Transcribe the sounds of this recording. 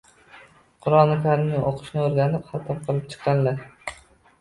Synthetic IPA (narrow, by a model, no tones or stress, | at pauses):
qʰʊɾɒnɪkʰʲaɾnɪŋoqʰɨ̥ʃnɪoɾɡʲanɪpχɑt̪ʰɒp̚qʰɨlˠɪp̚t͡ʃʰɨ̥qːɑnla